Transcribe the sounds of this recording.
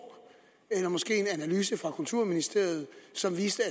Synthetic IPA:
elɐmɒsɡ̥e̝̰ːe̝nænælyːs̬əfʁɑ̈kʰult͡sʰuɐ̰minisd̥e̝ɐ̰jð̞̩ˠsɒ̽mʋiːsd̥əæ

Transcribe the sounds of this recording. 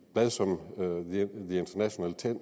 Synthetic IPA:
b̥lɛðˠsɒ̽m | ðie̝nd̥ʰɐnæɕo̝næ̰ːlət͡sʰen̰

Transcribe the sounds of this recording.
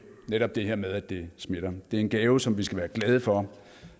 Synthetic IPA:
neɾ̥ɒ̽b̥̚d̥e̝ɦeɐ̰með̞ˠæd̥e̝sme̝ɾ̥ɐd̥e̝æɐe̝nɡ̥ɛːʊəsɒ̽mʋisɡ̥æʋæːɐɡ̥lɛð̞ˠəfɒ̽

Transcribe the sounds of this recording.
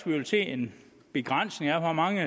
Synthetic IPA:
ɡ̥ʋuʋelse̝̰ːe̝n | b̥e̝ɡ̥ʁan̰sne̝ŋæfɒmɑ̈ŋə

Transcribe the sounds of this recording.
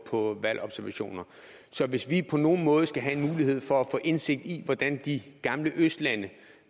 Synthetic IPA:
pʰɒ̽ʋælʔɒ̽b̥sæɐʋæɕo̝̰ːnɐ | sɒ̽ʋe̝sʋipʰɒ̽no̝ːn̩mɔ̽ːð̞ˠsɡ̥æɦæe̝nmuːliɦe̝ð̞̰ˠfɒ̽æfɔ̰̽ːʔe̝nse̝ɡ̥̚d̥iʋɒd̥ænd̥iɡ̥ɑ̈mləʔøsd̥lænə

